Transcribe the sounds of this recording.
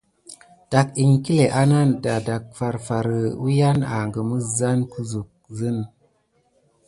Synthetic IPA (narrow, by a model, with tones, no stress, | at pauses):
d̥a˨ki˨ŋki˦le˨ʔa˦na˦nda˨da˨k̚fa˨ɾfa˨ɾə˨u˦ja˦na̰˨ŋɡə˨mə˦za˦nku˦zu˨k̚zə˦n